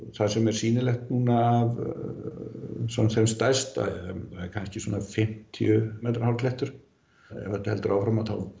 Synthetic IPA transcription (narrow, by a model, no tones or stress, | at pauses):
θasɛmɛɾ̥siːnɪlɛxt̪nuːnaːv | sɔnθɛmst̪ajst̪a̰aɛɾkʰanscɪsuːnafɪm̥t̪ʰj̰ʏmɛːt̪ɾhawlk̪lɛht̪ʏɾ̥ | jɛ̰hœlt̪ɪhɛlt̪ʏɾʔaːwfɾamaθa̰w